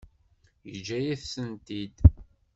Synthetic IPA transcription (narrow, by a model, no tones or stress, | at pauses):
jəd͡ʒæjiθsənt̪id̪